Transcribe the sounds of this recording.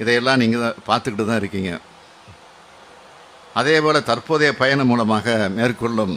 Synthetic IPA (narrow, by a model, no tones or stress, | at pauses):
ɪðɐjɛlːãːniːŋɡɐpaːɾt̪ɯkːɪʈːɯt̪ːãːɪɾɯkːiːŋɡɐ̰ | ʔɐðeːpoːlɐt̪ɐɾpoːðɐjɐpɐjɐɳɐmuːlɐmaːɣɐmeːrkɔɭːɯm